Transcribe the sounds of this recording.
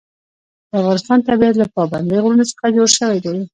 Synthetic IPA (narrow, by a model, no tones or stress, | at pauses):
d̪afɣɑnɪst̪ɑnt̪abajat̪lapɑband̪ejɣɾunosə̥χad͡ʒoɽʃəwajd̪awi